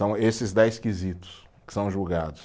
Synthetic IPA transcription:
ɐ̃w̃esɪzd̪ɛjskizit̪ʊ̥skɪ̥sɐ̃w̃ʒuwɡad̪ʊs

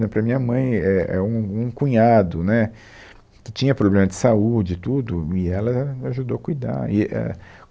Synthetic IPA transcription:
ɛpɾɐmĩɲɐmɐ̃j̃ɛɛ̰ũũkũɲad̪ʊnɛ | kɪt͡ʃĩɲɐpɾoblẽmɐd͡ʒɪsaud͡ʒɪt̪ud̪ʊɪɛlɐaʒud̪owɐkujd̪a̰ɾɪʔɛ̰

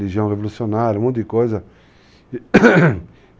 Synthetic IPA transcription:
liʒiɐ̃w̃ʁevolusionaɾjɐmõt̪ʊd̪ɪkojzɐ

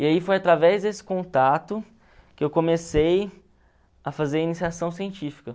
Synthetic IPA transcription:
ɪaifojat̪ɾavɛzd̪esɪ̥kõt̪at̪ʊ | kɪewkomesej | ɐfazeɾinisiasɐ̃w̃siẽnt͡ʃifi̥kɐ

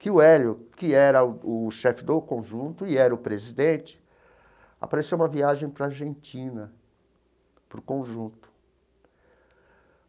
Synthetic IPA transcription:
kɪʊɛljʊkɪɛɾɐʊʊʃɛfɪd̪okõʒũt̪ʊɪɛɾɐʊpɾezid̪ẽt͡ʃɪ̥ | a̰paɾesewũmɐviaʒẽj̃pɾɐaɾʒẽnt͡ʃĩnɐ | pɾʊkõʒũnt̪ʊ̥

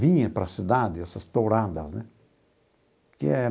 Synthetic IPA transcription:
vĩɲɐ̃pɾɐsid̪ad̪ɪɛsɐst̪owɾad̪ɐznɛ | kɪɛ

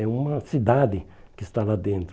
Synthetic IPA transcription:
ɛũmɐsid̪ad̪ɪkɪst̪alad̪ẽnt̪ɾ

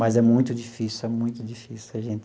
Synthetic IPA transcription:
mɐzɛmũj̃t̪ʊd͡ʒifisʊɛmũj̃t̪ʊd͡ʒifisɪɐʒẽnt̪ɪ

